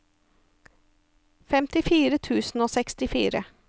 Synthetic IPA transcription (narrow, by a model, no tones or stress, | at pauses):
fɛmt̪ɪfiːɾət̪ʰʉːsn̩oːsɛkst̪ɪfiːɾə